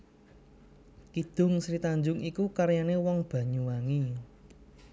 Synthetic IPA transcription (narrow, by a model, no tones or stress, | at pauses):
kid̪̥ʊ̤ŋsɾit̪aɲd͡ʒʊŋikukaɾjanewɔŋb̥ä̤ɲuwaŋi